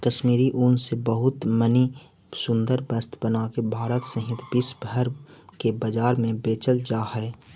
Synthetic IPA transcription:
kəʃmiːɾiʔʊnsebəɦʊt̪məni | sʊ̃nd̪əɾbəst̪bənaːkebʱaːɾət̪səɦɪt̪bɪsbəɾkebəd͡ʒaːɾmẽbeːt͡ʃəld͡ʒaːhɛː

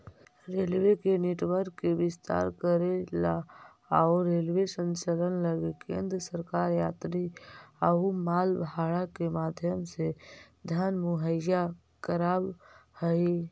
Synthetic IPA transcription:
ɾelwekeneʈwəɾkːebɪst̪a̰ɾkəɾela | aʊɾelwesə̃nt͡ʃələnləɡekḛ̃nd̪ɾəsəɾkaɾjat̪ɾiəumalbʱaɽakemad̪ʱjəmse | d̪ʱanmuɦəja | kəɾabhəi

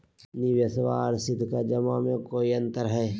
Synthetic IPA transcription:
niʋjəsʋaːɾsɪd̪ʱkad͡ʒɐmamẽkoːiɐ̃nt̪əɾɦɛː

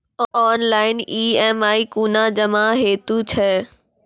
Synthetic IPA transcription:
ɔːnlaːɪniːɛːmaːikuːnãd͡ʑɐmãɦeːt̪ut͡ɕʰɛ

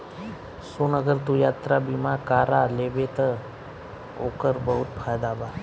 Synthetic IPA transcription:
sunəɡəɾt̪ũjaːt̪ɾabimãkaːɾaleʋet̪ə | o̰kəɾbəɦut̪̚pʰaːjd̪aba

